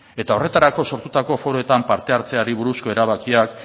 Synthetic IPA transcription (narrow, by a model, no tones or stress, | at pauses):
e̞t̪ao̞re̞t̪aɾako̞so̞ɾt̪ut̪ako̞fo̞ɾo̞e̞t̪ampaɾt̪e̞aɾt͡se̞aɾiβ̞uɾusko̞e̞ɾaβ̞akiak